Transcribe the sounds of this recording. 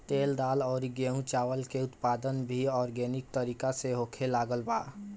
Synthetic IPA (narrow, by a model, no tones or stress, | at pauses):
t̪eːld̪aːlɔːɾɡeɦũt͡ʃaːwəlkeʊt̪paːd̪ənbʱiɔːɾɡeːnɪk̚t̪əɾiːkaseɦoːkʰelaːɡəlbaː